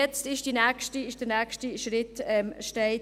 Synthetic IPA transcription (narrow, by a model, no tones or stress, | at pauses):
ɛt͡stɪʃd̥inɛːkʃtiɪʃd̥ənɛːkʃtiʃɾɪtɛmʃtɛɪ